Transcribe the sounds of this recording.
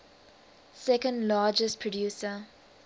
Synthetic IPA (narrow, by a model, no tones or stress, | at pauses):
sɛkə̃ndlaːd͡ʒəstpʰɹɔdjuːsə